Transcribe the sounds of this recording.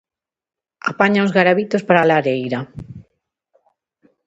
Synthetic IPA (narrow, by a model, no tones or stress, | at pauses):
a̰paɲaozɣaɾaβit̪ospaɾalaɾejɾa